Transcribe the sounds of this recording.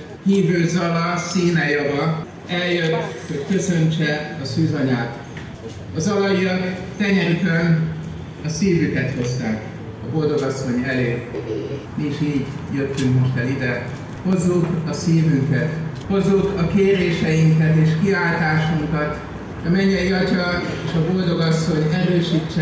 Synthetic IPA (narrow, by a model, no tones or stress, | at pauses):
hiːvøːzɒlɒsiːnɛjovɒ | ɛljøt̪ːho̞ɟkø̞sø̞ɲt͡ʃɛɒsyːzɒɲaːt̪ | ɒzɒlɒjijɒkt̪ɛɲɛɾik̪øn | ɒsiːvykɛt̪ho̞zt̪aːk | ɒbo̞ld̪o̞ɡɒsːo̞ɲɛleː | miiʃiːɟ | jøt̪ːyŋkmo̞ʃt̪ɛlid̪ɛ | ho̞zːukɒsiːvyŋkɛt̪ho̞zːukɒkeːɾeːʃɛjiŋkɛt̪eːʃkiaːlt̪aːʃuŋkɒt̪ | ɒmɛɲːɛjiɒcɒeːʃɒbo̞ld̪o̞ɡɒsːo̞ɲɛɾøːʃiːt͡ʃːɛ